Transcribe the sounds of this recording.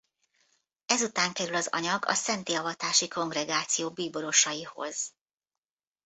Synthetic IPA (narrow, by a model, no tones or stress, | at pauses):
ɛzut̪aːŋkɛɾylɒzɒ̰ɲɒɡɒ̰sɛnt̪iɒvɒt̪aːʃiko̞ŋɡrɛɡaːt̪sijoːbiːbo̞ɾo̞ʃɒjiho̞̰z̥